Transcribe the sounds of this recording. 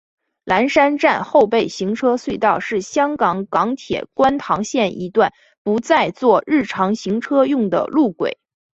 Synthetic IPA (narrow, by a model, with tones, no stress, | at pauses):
la˧˥nʂa˥nʈ͡ʂa˥˧nxo˥˧ʊpe˥˩ɪɕi˧˥ŋʈ͡ʂʰɤ˥swe˥˧ɪt̪ɑ˥˧ʊʂɻ̩˥˩ɕjɑ˥ŋkɑ˧˥ŋkɑ˧˥ŋt̪ʰjɛ̰˨˩kwa˥nt̪ʰɑ˧˥ŋɕjɛ˥˩nʔi˧˥t̪wa˥˩n | pu˧˥t͡sa˥˧ɪt͡swɔ˥˧ɻɻ̩˥˩ʈ͡ʂʰɑ˧˥ŋɕi˧˥ŋʈ͡ʂʰɤ˥jʊ˥˩ŋd̪ə̰˩lu˥˩kwḛ˨˩˦ɪ